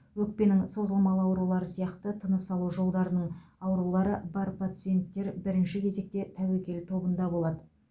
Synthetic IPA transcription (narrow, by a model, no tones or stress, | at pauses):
wɵk̚pe̞nɪŋso̞zəlˠmɑlˠəɑwɾulˠɑɾəsijɑqt̪ət̪ʰənəsɑlˠuʒo̞lˠd̪ɑɾənəɴɑwɾulˠɑɾəbɑɾpʰat̪sɨije̞nt̪ːe̞ɾbɪɾɪnʃɪkʲʰe̞ze̞k̚t̪e̞t̪ʰæwekʲe̞lt̪ʰo̞bənd̪ɑbo̞lˠɑd̪ə